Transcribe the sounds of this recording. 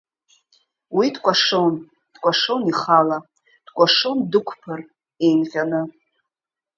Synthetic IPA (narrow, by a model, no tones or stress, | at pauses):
widkʷʼaʂon | d̥kʷʼaʂoniχala | d̥kʷʼaʂondɨkʷʰpʰɨr | ejmχʲanɨ